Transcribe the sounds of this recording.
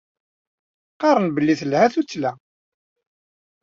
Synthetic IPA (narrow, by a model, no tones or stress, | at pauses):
qɑɾˤənbəlːiθlhæθut͡sːlæ